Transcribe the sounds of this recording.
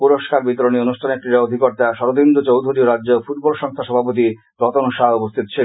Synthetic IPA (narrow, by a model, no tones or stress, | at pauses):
puɾoʃkaɾbit̪oɾonionuʃʈʰanekɾiɾaod̪ʱikoɾt̪aʃɔɾod̪ʱind̪ot͡ɕowd̪ʱuɾioɾadːd͡ʑofuʈ̚bɔlʃɔŋst̪ʰaʃɔbʱapot̪i | ɾɔt̪onʃaɦupost̪ʰit̪o̥t͡ɕʰe